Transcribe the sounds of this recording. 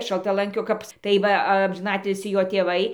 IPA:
ʃɐlˠtɐˈlˠɐŋʲkʲoː ˈkɐp tɐɪ ˈʋɐ ɐmʲʒʲɪˈnɑːtʲɪlʲsʲiː ˈjoː tʲeːˈʋɐɪ

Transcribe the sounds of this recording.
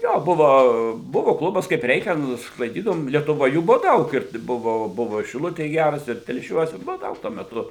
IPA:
ˈjoː ˈbʊʋoː ˈbʊʋoː ˈklˠʊbɐs kɐɪp ˈrʲɛɪkʲɛn sklˠɐɪˈdʲiːdɐʋoːm lʲiɛtʊˈʋoːj ˈjuː ˈbʊʋoː ˈdɐʊk ɪr ˈbʊʋoː ˈbʊʋoː ɪ ʃʲɪˈlˠʊtʲeːj ˈɡʲærɐs ɪr tʲɛlʲˈʃʲuɔs ɪr ˈbʊʋoː ˈdɐʊk tuɔ mʲɛˈtʊ

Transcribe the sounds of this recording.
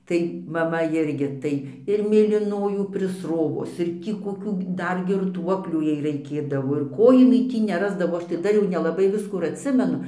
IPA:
tɐɪ mɐˈmɐ ˈɪrʲɡʲɪ ˈtɐɪ ɪr mʲeːlʲiːˈnoːjuː pʲrʲɪsˈroːʋʊs ɪr ˈtʲiː koːˈkʲuː ˈdɐr ɡʲɪrˈtuɔklʲuː ˈjɛɪ rɐɪkʲeːdɐʋoː ɪr ˈkoː jɪˈnɐɪ ˈtʲiː nʲɛˈrɑːzdɐʋoː ˈɐʃ tɐɪ ˈdɐr jɛʊ nʲɛlˠɐˈbɐɪ ˈʋʲɪskuː ɪr ɐtʲˈsʲɪmʲɛnʊ

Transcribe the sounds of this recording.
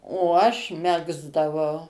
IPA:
oː ˈɐʃ ˈmʲæːɡzdɐʋɐʊ

